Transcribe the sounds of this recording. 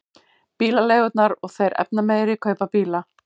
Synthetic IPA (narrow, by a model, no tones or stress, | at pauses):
piːlalejɣʏt̪naɾɔɣθejɾʔɛ̰pnameːjɾɪkʰœːɥpapiːla